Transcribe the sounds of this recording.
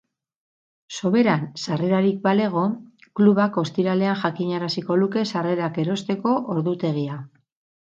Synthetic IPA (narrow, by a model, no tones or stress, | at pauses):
so̞βe̞ɾansare̞ɾaɾik̚bale̞ɣ̞o̞kluβako̞st̪iɾale̞aŋʝakiɲaɾasiko̞luke̞sare̞ɾake̞ɾo̞st̪e̞ko̞ʔoɾðut̪e̞ɣia